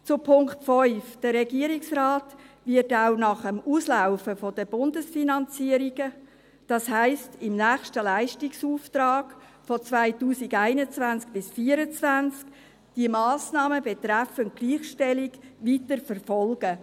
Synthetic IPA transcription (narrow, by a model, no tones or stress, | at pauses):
t͡sʊpʰʊŋktfɔʏfd̥əɾɛɡiəɾɪksraːtvɪɾtaʊnɑχəmuːslaʊfəfɔdəb̥ʊndəsfinɑnt͡siəɾiɡ̥ə | d̥ɑshæɪstɪmnæːχʃtəlæɪʃtiksuːft̪ɾɑːɡ̥ | fɔt͡svaɪtuːsɪɡæɪnət͡svænt͡sk̚b̥ɪsfiːəɾət͡svænt͡sk | d̥iəmɑːsnɑːməbɛt̪ɾæfənt̚ɡ̥liːχʃtɛlɪɡʋitəɾfəɾfɔlɡ̥ə